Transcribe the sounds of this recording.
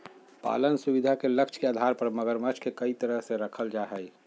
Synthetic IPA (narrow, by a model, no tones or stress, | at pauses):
pa̰lənsubid̪ʱakeləkt͡ʃʰkeaːd̪ʱaɾpəɾməɡəɾmət͡ʃʰkekəit̪əɾəɦseɾəkʰəld͡ʒaɦəj